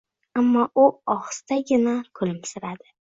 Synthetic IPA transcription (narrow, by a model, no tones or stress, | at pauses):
amːɒʔʊɒχst̪aɡʲɪnakʰʊlɪmsɪɾad̪ɪ